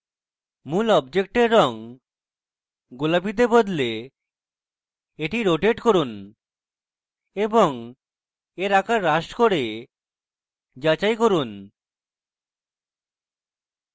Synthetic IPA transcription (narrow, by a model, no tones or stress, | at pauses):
mulɔbd͡ʑekʈeɾːɔŋ | ɡolapit̪ebod̪le | eʈiɾoʈeʈkoɾun | eboŋ | eɾakaɾːaʃkoɾe | d͡ʑat͡ɕajkoɾun